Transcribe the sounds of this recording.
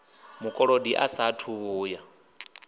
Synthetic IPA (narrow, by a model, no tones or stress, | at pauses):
mukʼɔɺodiʔa̰satʰuβuːja